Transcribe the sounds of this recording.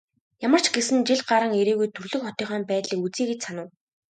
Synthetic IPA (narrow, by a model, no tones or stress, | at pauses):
jamə̆r̥t͡ɕʰɡesɘ̆nt͡ɕiɮɢaɾə̆ŋeɾeːɣujt̪ʰɵrɮɵ̆kχɔt̪ʲiːχaːmpæːt̪ɮiːkut͡siːɡĕt͡ɕsanʊ̆ːw